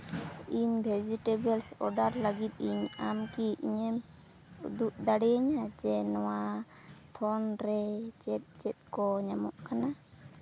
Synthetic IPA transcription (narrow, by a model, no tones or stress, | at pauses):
iɲbʱɛd͡ʒiʈebɛlsɔ̰ɖaɾlaɡit̪̚ˀiɲamkiiɲɛm | ṵd̪uʔ̚d̪aɽɛaɲad͡ʒɛnɔwa | t̪ʰɔnɾɛd͡ʒɛt̪̚d͡ʒɛt̪̚kɔɲamɔʔkana